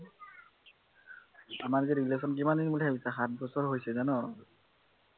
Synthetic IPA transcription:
amaɹziɹiles̬ɔnk̬imaninbulebisaxat̚bɔsɔɹɦojsɛzanɔ

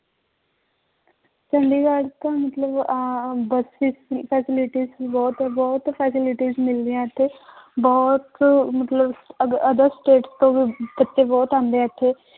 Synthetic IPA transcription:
t͡ʃɐɳɖiɡaːɽt̪amɐt̪ləbbɐsisfɛːsɪlɪʈizbɔːt̪bɔːʊt̪fʰɛːsɪlɪʈizmɪld̪ieat̪ʰebɔɦʊt̪mɐt̪ləbɐd̪əɾsʈeːʈst̪obʱibɐtːʃebɔːt̪ãːnd̪eɐt̪ʰe

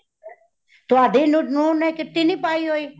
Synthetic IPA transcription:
t̪oaːd̪ʱiːnunuːnɛ̃kɪt̪ːiniːpaːiːɦoiː

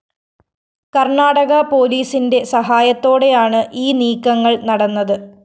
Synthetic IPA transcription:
kɐrɳaːɽɐɣɐpo̞ːliːsinde̞sɐɦaːjɐt̪ːo̞ːɽe̞jaːɳɨʔiːniːkːɐŋːɐɭnɐɽɐnːɐðɨ

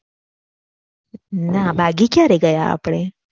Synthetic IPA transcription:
nabʱaɡikjaɾeɡəja̰ːpɽ̃e

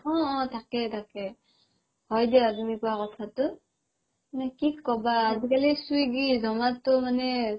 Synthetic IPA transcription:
ɔ̃ːtʰakɛtʰakɛ | ɡɔjdɛatumikuwakɔtʰatʊ | nɛkikɔbaːzikalisuiɡizɔmatʊmanɛ

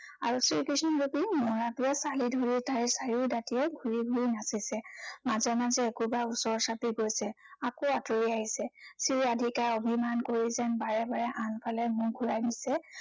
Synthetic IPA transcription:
a̰ɹusiɹkisnɔɹupinɔɹatuɛsalidʱoɹitaɹɛsaɹidatiɛɡʱuɹiɡʱuɹinasisɛmazɔmazɛːkubausɔɹsapiɡojsɛakoatoɹiaɦisɛsiɹadʱikaɹobʱimankoɹizɛnbaɹɛbaɹɛʔanpʰalɛmʊɹɡʱuɹajnisɛ

